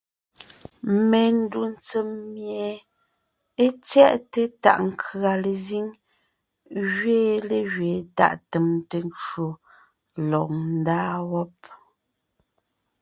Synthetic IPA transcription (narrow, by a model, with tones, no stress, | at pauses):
me˨n̩˦du˦n̩˦t͡se˨mːje˨ | e˦t͡sjɛ˦ʔte˦ta̰˨ʔŋ̩˦kʰɰa˨le˨zi˦ŋ | ɣɥeː˦le˨ɣɥeː˨ta̰˦˨ʔte˨mte˨n˦t͡ʃwo˨ | lɔ˨ʔn̩˦daː˦wɔ˦p̚